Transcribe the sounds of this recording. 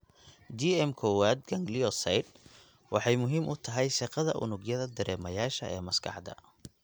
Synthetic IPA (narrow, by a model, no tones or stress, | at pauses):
d͡ʒiɛmkʰɔwaːd̪̚ɡɐŋɡliɔsɐjd̪̚ | wʔɑħɑjmʊɦiːmʔʊt̪ʰɐɦɛjʃɑqɑðɐ̰ʔʊ̰nʊɡjɐðɐd̪ɐɾɛːmɐjaːʃɐʔɛːmɐskʰɑ̰ħd̪ɐ̰